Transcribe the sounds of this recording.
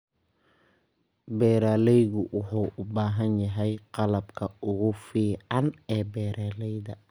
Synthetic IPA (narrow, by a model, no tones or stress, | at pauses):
bɛːɾaːlɛjɣʊwʊħuːʔʊbaːɦɐnjɐɦɛjqɑlɐbkʰɐʊɣʊfiːʕɑnɛːbɛːɾʔaːlɛjðɐ